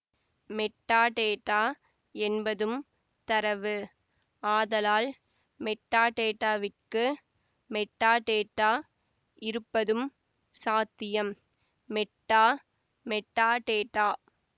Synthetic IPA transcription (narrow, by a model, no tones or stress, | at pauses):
mɛʈːaːʈeːʈːaː | ɛnbɐðɯm | t̪ɐɾɐʋɯ | aːðɐlaːl | mɛʈːaːʈeːʈːaːʋɪʈkɯ | mɛʈːaːʈeːʈːaː | ʔɪɾɯpːɐðɯm | saːt̪ːɪjɐm | mɛʈːaː | mɛʈːaːʈeːʈːaː